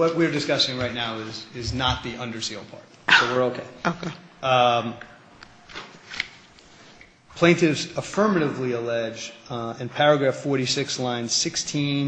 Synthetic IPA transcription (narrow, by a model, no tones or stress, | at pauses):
wʌt̚wiɹdɨskʌsɪ̃ŋɹaɪtⁿnaʊɪzɪznət̪̚ðiʔʌ̃ndə˞sil̚ˠpʰɑ̰ɹt̚ | soʊwɪɹoʊkʰeɪoke | pʰl̥ẽɪ̃ntɪvzəfɜ̃˞mɨɾɨvliəlɛd͡ʒdɨ̃npʰɛɹɨɡɹæfɔɹɾisɪkslãɪ̃nz̥sɪkstʰĩn